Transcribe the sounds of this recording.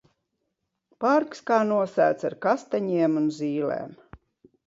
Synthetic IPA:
paɾkskaːnuɔsæ̰ːt̪saɾkast̪aɲiɛmunzʲiːlḛːm

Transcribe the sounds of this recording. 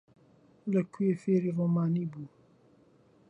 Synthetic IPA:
ləkʰuefeɾiɾomaːnibu

